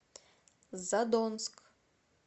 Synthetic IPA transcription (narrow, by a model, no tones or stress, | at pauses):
zad̪onskʼ